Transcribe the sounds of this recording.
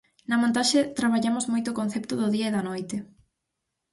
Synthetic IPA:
nɐmõnt̪aʃet̪ɾaβaʎamʊzmojt̪ʊkõn̟θept̪ʊðʊðiɐeðɐnojt̪ɪ

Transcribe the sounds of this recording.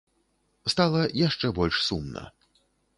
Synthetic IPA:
st̪alˠɐjaʂt͡ʂɛbɔlʲʂsumnɐ̰

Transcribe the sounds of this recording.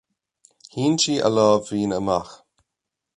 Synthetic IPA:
hiːnt͡ʃiːʔə̰lɔːvːiːnəmax

